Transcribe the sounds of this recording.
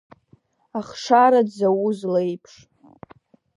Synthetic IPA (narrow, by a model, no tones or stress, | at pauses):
aχʂaɾadzawuzlejpʰʂ